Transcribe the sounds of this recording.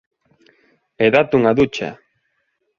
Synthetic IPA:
eðat̪uŋaðut͡ʃa̰

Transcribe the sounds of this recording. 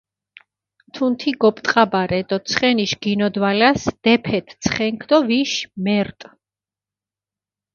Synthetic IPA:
t̪ʰunt̪ʰiɡɔpʼt̪ʼqʼabaɾɛd̪ɔt̪sʰχɛniʃɡinɔd̪walasd̪̥ɛpʰɛt̪ʰt̪sʰχɛŋkʰd̪ɔviʃmɛɾt̪ʼ

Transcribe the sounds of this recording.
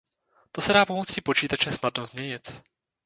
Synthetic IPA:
t̪osɛdaːpomot͡sipo̞t͡ʃiːt̪at͡ʃɛsnad̚nozmɲɛɲɪt̪

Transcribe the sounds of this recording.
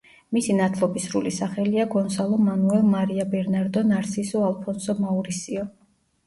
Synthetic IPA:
misinat̪ʰlˠɔbisɾulisaχɛliaɡɔnsalˠɔmanuɛlˠmaɾiabɛɾnaɾd̪ɔnaɾsisɔalˠpʰɔnsɔmauɾisiɔ

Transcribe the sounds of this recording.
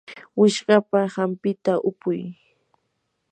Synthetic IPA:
wɪʃɢɑpahampɪt̪aʔʊpʊj

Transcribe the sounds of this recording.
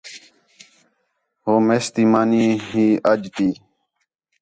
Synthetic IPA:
ɦoːmeːst̪iːmaːniːɦiːəd͡ʒt̪iː

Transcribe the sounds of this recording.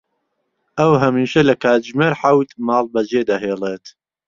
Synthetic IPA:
ʔɐwɦɐmiːʃɐlɐkʰaːt̪d͡ʒmeːɾħawt̪mɑːlˠbɐd͡ʒeːd̪ɐɦeːlˠeːt̪

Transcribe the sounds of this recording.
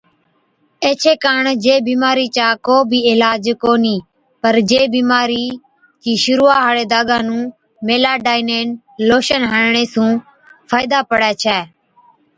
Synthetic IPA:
eːt͡ʃʰeːkaːɳd͡ʒeːbiːmaːɾiːt͡ʃaːkoːbʱiːɪlaːd͡ʒkoːniː | pəɾd͡ʒeːbiːmaːɾiː | d͡ʒiːʃʊɾuːaːɦaːɽeːd̪aːɠãːnũː | meːlaːɖaːiːneːn | loːʃənɦəɳɳeːsũː | fʰaːɪd̪aːpəɽɛːt͡ʃʰɛː

